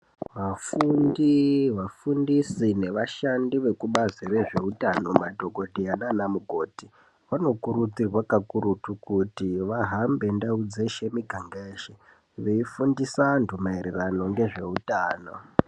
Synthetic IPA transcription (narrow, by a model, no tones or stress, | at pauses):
ʋafundiʋafundisine̞ʋaʃandiʋe̞kuɓazire̞ʐe̞utano̞madʱo̞ɡʱo̞dʱeananamuɡʱo̞ːti | ʋano̞kuɾud͡zirwakakuɾutukutiʋaɦambe̞ndaud͡zeʃe̞miɡʱaŋɡeʃe | ʋeifundisandʱumaiɾerano̞ŋɡe̞ʐe̞utaːno̞̰